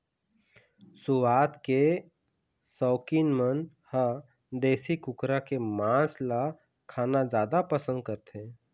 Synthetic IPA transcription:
sʊwaːt̪ke | sɔːkinmən | hə | d̪eːsikʊkɾakemãːsla | kʰaːnad͡ʒjaːd̪apəsə̃nd̪̚kəɾt̪ẽː

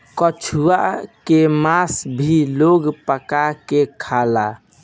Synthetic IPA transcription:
kət͡ʃʰua̰kemasbʱiloɡpəkakekʰala

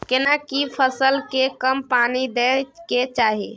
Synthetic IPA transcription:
kenakipʰəsəlkekəmpaːnid̪eket͡ʃaɦi

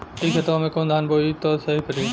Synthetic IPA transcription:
iːkʰɐt̪ʋmẽkõːnd̪aɦənboːit̪ɔːsɐɦipɐɾiː

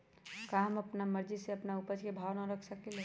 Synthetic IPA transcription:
kaɦəməpnaməɾd͡ʒiseɐpnaupəd͡ʒkebʱaːwnaɾəkʰsəkelɦe

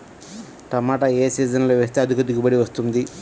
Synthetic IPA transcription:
ʈ̪ɐmaːʈɐeːsiːd͡ʒɐnloːʋeːst̪eːɐd̪ʱukɐd̪iɡubɐɽiʋɐst̪und̪i

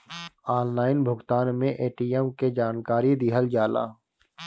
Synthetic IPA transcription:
aːnlaːɪnbʱʊɡt̪aːnmẽʔeːʈiːɛmked͡ʒaːnkaːɾid̪ɪɦəld͡ʒaːla̰ː

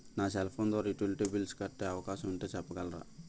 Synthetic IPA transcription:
naːselpʰoːnd̪ʋaːɾɐiʈulʈebilskɐʈːeɐʋɐkaːʃɐmuɳʈeːt͡ʃɐpːɐɡɐlɾɐ̰

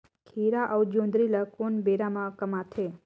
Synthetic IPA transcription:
kʰiːɾaʔəwd͡ʒõːnd̪ɾilakunbeɾamãkəmaːt̪ʰe

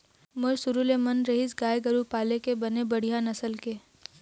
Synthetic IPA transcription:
mʊɾsʊɾulemɐnɾɐɦisɡaːjɡəɾupaːlekebɐnebɐɽ̤ijãnɐsəlkeː

